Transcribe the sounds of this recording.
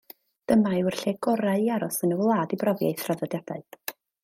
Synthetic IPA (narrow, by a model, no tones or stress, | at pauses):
d̥əmaɪwrɬeɡɔɾaiaɾɔsənəwlˠaːdibrɔvja̰jθraðɔdjadaɨð̥